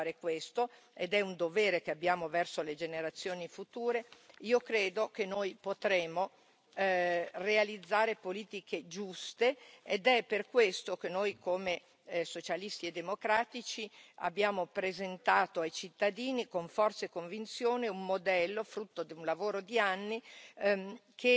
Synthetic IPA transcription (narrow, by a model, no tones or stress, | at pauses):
ɾekwest̪o | ed̪ɛund̪oveːɾekeabːjaːmovɛrsoled͡ʒeneɾat̪sːjoːnifut̪uːɾeiːokɾeːd̪okenːojpot̪ɾeːmo | realid̪zːaːɾepoliːt̪ikʰed͡ʒust̪eed̪ɛperkwest̪okenːojkome | sot͡ʃalist̪ied̪ːemokɾaːt̪it͡ʃia̰bːjaːmopɾezent̪aːt̪oajt͡ʃit̪ːad̪iːnikoɱfɔrt̪saekoɱvint̪sjoːneumːod̪ɛlːofɾut̪ːod̪iunlavoːɾod̪ianːi | kʰe